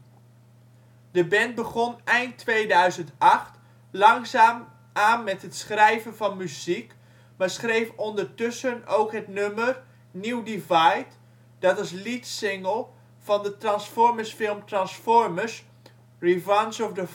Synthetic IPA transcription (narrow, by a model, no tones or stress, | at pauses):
d̥əbɛntbəχɔnɛjntʋejdœɥzəntɑχt | lɑŋzaːm | ʔaːnmɛtɦətsχrɛjvənvɑnmyzik | maːɹsχrejfɔndəɹtɵsənowkɦətnømər | niwdivajt | d̥ɑtɑs̬litsɪŋəlˠ | v̥ɑndətrɑnsfɔɹməsfɪlˠmtrɑnsfɔɹməs | rivansɔfdə